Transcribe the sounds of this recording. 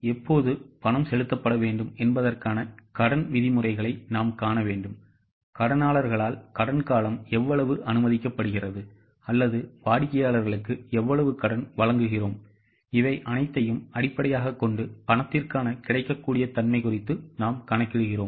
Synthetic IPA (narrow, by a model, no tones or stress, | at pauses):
ɛpːoːðɯpɐnɐmsɛlɯt̪ːɐpːɐɽɐʋeːɳɖɯmɛnbɐðɐrkaːnɐkɐɽɐnʋɪðɪmɯrɐɪɣɐɭɐɪnaːmkaːnɐʋeːɳɖɯm | kɐɽɐnaːɭɐɾɣɐɭaːlkɐɽɐnkaːlɐmɛʋːɐɭɐʋɯʔɐnɯmɐðɪkːɐpːɐɽɯɣɪrɐðɯ | ɐlːɐðɯʋaːɽɪkːɐjaːɭɐɾɣɐɭɯkːɯɛʋːɐɭɐʋɯkɐɽɐnʋɐɭɐŋɡɯɣɪroːm | ɪʋɐɪʔɐnɐɪt̪ːɐjɯmɐɽɪpːɐɽɐjaːɣɐkːɔɳɖɯpɐnɐt̪ːɪrkaːnɐkɪɽɐɪkːɐkːuːɽɪjɐt̪ɐnmɐɪkʊrɪt̪ːɯnaːmkɐnɐɪkːɯɽɯɣɪroːm